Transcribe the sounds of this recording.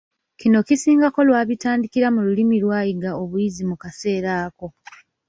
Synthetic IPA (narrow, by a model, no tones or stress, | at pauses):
kino̞kisiːŋɡako̞lwaːβitaːndikiɾamululimilwaːjiɡao̞βujizimukase̞ːɾaːko̞